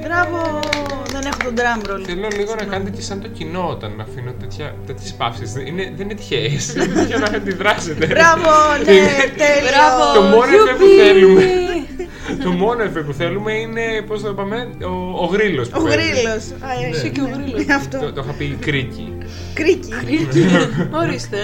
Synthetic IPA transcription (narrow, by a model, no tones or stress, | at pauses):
bɾɐvoðenexot̪od̪ɾɐmɾolθelonɐliɣonɐkɐnet̪ecesɐnt̪o̞cino̞ot̪ɐnːɐfinot̪e̞t̪çɐ | t̪et̪çespɐfsizineðeninet̪çesineet̪çɐnɐxɐnd̪iðɾɐset̪eɾɐvoninet̪elɾɐot̪omonefeppuθelume | t̪o̞mo̞nefep̬uθe̞lume̞ine̞poznɐt̪opɐmeoːɣɾilo̞spoɣɾilos | ɐoɾiɐft̪oot̪oxɐpikɾicḭ | kɾiciɾi | oɾist̪e